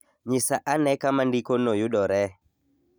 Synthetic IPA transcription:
ɲɪsaʔanɛkamandikonojʊdɔɾɛ

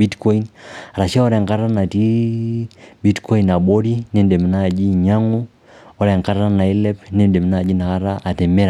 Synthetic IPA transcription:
bitkɔinaɾaʃaɔɾɛŋkaɾanati | bitkɔinaɓɔɾinɛndɛmnad͡ʒiɲaŋu | ɔɾɛŋkaɾaɾanailɛpnɛndɛmnad͡ʒinakaɾaʔatɛmɛɾa

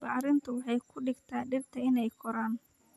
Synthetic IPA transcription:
bɑʕɾɪnt̪ʰʊwɑħɑjkʰʊɖɪɡt̪ʰaːɖɪrt̪ʰɐɪnɛjkʰɔɾaːn

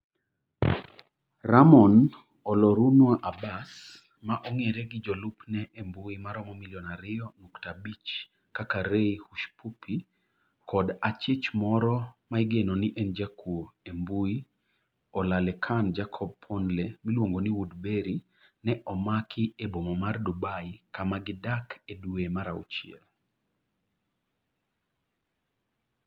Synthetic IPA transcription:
ramɔn | ɔlɔɾunwaʔabas | maʔoŋeɾɛɡɪd͡ʒɔlupnɛʔembuimaɾɔmɔmiljɔnaɾɪɔnuktabit͡ʃ | kakaɾeihuʃpupʰi | kʰɔdat͡ʃit͡ʃmɔɾɔmaiɡenoniʔɛnd͡ʒakuoembui | ɔlalɛkʰand͡ʒakʰɔb̚pʰɔndlemilwoŋɡoniwudbeɾi | nɛʔɔmakʰɪebomɔmardubaikamaɡɪdakeduemaɾaṵt͡ʃiɛ̰l

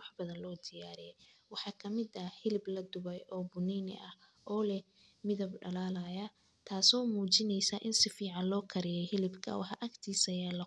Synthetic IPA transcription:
wɑħbɐðɐnlɔːd̪ɪjaːɾɪjɛjwɑħɑːkʰɐmɪd̪ɐhɪlɪblɐd̪ʊβɛjʔɔːbʊniːnɪ̰ʔɐh | ʔɔːlɛ | mɪðɐbɖɐ̰laːlajɐ | t̪ʰaːsɔːmuːt͡ʃɪnɛjsɐʔɪnsɪfiːʕɑnlɔːkʰɐɾɪjɛjhɪlɪbkʰɐ̰wɑ̰ħɑʔɐkt̪ʰiːsɐjaːlɐ

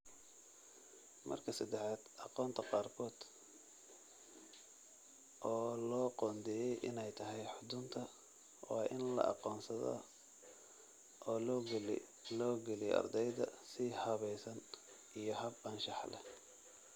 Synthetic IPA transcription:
mɐ̰rkʰɐsɐd̪ɛħaːd̪̥ɑqɔːnt̪ʰɐqɑːrkʰɔːd̪̥ | ʔɔːlɔːqɔːnd̪ɛjɛjʔɪnɛjt̪ʰɐɦɛjħʊd̪ʊnt̪ʰɐ | wɑːʔɪnlɐ̰ʔɑ̰qɔːnsɐðɔ̰ | ʔɔːlː | lɔːɡɛlijɛ̰ɐ̰rd̪ɛjðɐsɪhɐβɛjsɐn | ʔijɞɦɐbɐnʃɑħlɛ̰

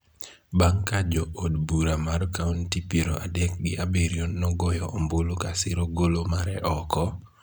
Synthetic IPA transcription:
baŋkad͡ʒɔodbuɾamarkauntipiɾoʔadɛk̚ɡɪʔabeɾjonːɔɡɔjɔːmbolokasɪɾoɡolomaɾɛʔɔkɔ

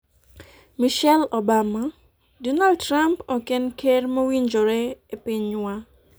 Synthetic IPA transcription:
miʃɛlɔbama | dɔnaldtɾampɔkenkʰermowiɲd͡ʒoɾɛepɪɲwa

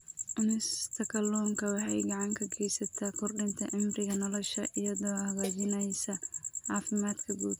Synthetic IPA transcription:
ʔɪnɪst̪ʰɐkʰɐlɔːŋkʰɐwɑħɑjɡɑʕɑŋkʰɐɡʰɛjsɐt̪ʰaːkʰɔrɖɪnt̪ʰɐʕɪmrɪɣɐnɔlɔʃɐʔɪjɐðɔːhɐɣaːt͡ʃɪnɛjsɐʕɑːfɪmaːd̪kʰɐɡuːd̪

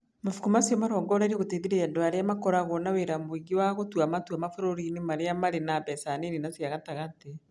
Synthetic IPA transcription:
mafu̥kumasiɔmaɾɔːŋɡɔɾɛɾiɣoteðiɾeɛndoaɾeamakɔɾaɣɔnaweɾamwiɡiwaɣotwamatuamafoɾoɾinimaɾeamaɾenaβɛsaneninasiaɣataɣate

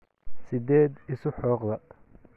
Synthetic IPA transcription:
sɪd̪ɛːd̪ɪsʊħɔːqðɐ

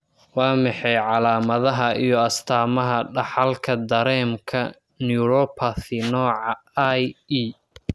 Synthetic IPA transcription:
wɑːmɑħɛjʕɑlaːmɐðɐɦɐʔijɔɐst̪ʰaːmɐɦɐɖɑħɑlkʰɐd̪ɐɾɛːmkʰɐ | njuːɾɔpʰɐθɪnɔːʕɑajiː

